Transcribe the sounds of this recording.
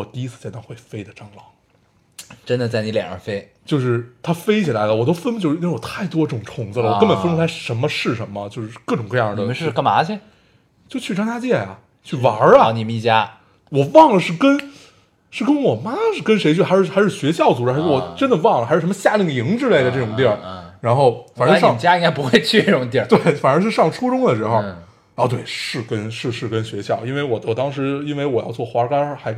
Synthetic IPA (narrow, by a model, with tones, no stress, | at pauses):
ɔ˨˩t̪i˥˧i˧˥t͡sʰɹ̩˥˩t͡ɕjnɑ˥˧ŋxwe˥˩ɪfe˥ɪd̪ə˨ʈ͡ʂɑ˥ŋlɑ˨˩˦ | ʈ͡ʂə˥nd̪ə˨t͡sa˥˩ɪni˧˥ljɛ̰˨˩nə̰˧˥fe˥ɪt͡ɕjo˥˧ʊʂɻ̩˥˩t̪ʰa˥fe˥ɪt͡ɕʰi˨˩la˧˥ɪlə˧wɔ˨˩t̪o˥ʊfə˥npə˧t͡ɕo˥˧˥wɔ˨˩t̪ʰa˥˩ɪt̪wɔ˥˧ʈ͡ʂɤ˥˩ʈ͡ʂʊ˨˩ʈ͡ʂʰʊ˧˥ŋt͡sɹ̩˥˧lə˨wɔ˨˩kə˥npə˨˩nfə˥nʈ͡ʂʰu˥a˥ʂə˧˥nmə˧ʂɻ̩˥˩ʂə˧˥nmə˧t͡ɕjo˥˧ʂɻ̩˥˧˩kɤ˥˩ʈ͡ʂʊ˨˩ŋkɤ˥˧jɑ˥˩d̪ə˧˥˧kma˧˥t͡ɕʰɛ˥ | t͡ɕjo˥˧ʊt͡ɕʰy˥˩ʈ͡ʂɑ˥ŋtʰa˥t͡ɕjɛ˥˩jɐ̰˩ | t͡ɕʰy˥˩wɑ˨˧˦ɐ˩ni˨˩mə˦ni˥˩t͡ɕja˥ | wɔ˨˩wɑ˥˩ŋlə˩ʂɻ̩˥˩kə˥n | ʂɻ̩˥˩kə˥nwɔ˨˩ma˥ʂɻ̩˥˩kə˥nʂe˧˥ɪt͡ɕʰy˥˩xa˧˥ʂɻ̩˥˩xɪʂɻ̩˥˩ɕɥɛ˧˥ɕjɑ˥˩ʊt͡su˧˥ʈ͡ʂwɔ˨˩ʈ͡ʂə˥nd̪ə˨wɑ˥˩ŋlə˩xɻ̩˥˩ʂmə˧ɕja˥˧li˥˩ŋi˧˥ŋʈ͡ʂɻ̩˥le˥˩ɪd̪ə˩ʈ͡ʂɤ˥˩ʈ͡ʂʊ˨˩ŋt̪jɛ˥˩ɻa˧˥nxo˥˩ʊfa˨˩nə˧˥ʂɑ˥˨t͡ɕja˥ji˥ŋɡa˥pu˧˥xwe˥˧ɪt͡ɕʰy˥˧ne˥˩ʈ͡ʂʊ˨˩ŋt̪̬jɛ˥˩t̪we˥˩ɪfa˨˩nə˧˥ʂɻ̩˥˧ʂɑ˥˩ŋʈ͡ʂʰu˥ʈ͡ʂʊ˥ŋd̪ə˨˩ʂɻ̩˧˥xo˧ʊ˥˧˩ | t̪we˥˩ɪʂɻ̩˥˩kə˥nʂɻ̩˥˧ʂɻ̩˥˩kə˥nɕɥɛ˧˥ɕjɑ˥˩ʊi˥nwe˥˩ɪwɔ˨˩wɔ˨˩t̪ɑ˥ŋʂɻ̩˧˥i˥nwe˥˩ɪwɔ˨˩jɑ̰˥˧ʊt͡swɔ˥˩xwa˞˧˥˧ka˥˧xa˧˥ɪ